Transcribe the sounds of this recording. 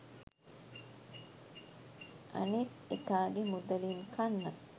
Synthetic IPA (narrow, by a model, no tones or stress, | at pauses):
ʔɐ̰nit̪ekaːɡemud̪ɐliːŋkʰɐnːɐ